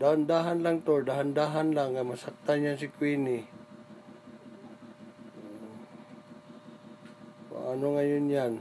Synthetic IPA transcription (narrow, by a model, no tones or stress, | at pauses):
d̪ahand̪aɦanlaŋt̪oɹd̪aɦand̪aːɦanlaŋːajmasak̚t̪anjansɪkwinɪ | pa̰ʔanoŋajʊnjan